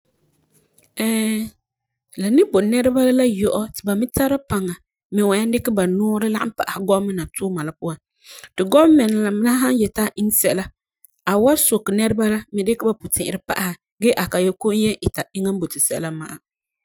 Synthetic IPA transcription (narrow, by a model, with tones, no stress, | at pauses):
ɛ˦ | la˨nɪ˦bo˨nɛ˦ɾɨ˦ba˦la˦jɔ˨ʔɔ˦tɪ˨ba˨mɪ˦ta˦ɾa˦pa˨ŋa˨ | mɪ˨wa˨ja˦ndɪ˦kɪ˦ba˨nɔː˦ɾɨ˦la̰˦ʔa̰˦mpa˨ʔa˨ha˨ɡɔ˦mɨ˦na˨tʊː˦ma˨la˨pu˦a˦n | tɪ˨ɡɔ˦bmɛ˨n˨la˨m˦la˦ɦa˦njɛ˨ta˦ʔɪ˦ŋ˦sɛ˦ʔla˦ | a˨wa˦so˨kːɨ˨nɛ˦ɾɨ˦ba˦la˦mɪ˨dɪ˦ka˦ba˨pʊ˨tɪ̃˨ʔɪ˨ɾɨ˦pa̰˦ʔa˨ha˨ | ɡɛː˦ʔa˨ka˨jɛ˦ko˦njɛ˦ʔɪ˨ta˨ɪ˦ŋa˦mbo˨tɪ˨sɛ̰˦la˦ma̰˨ʔa˨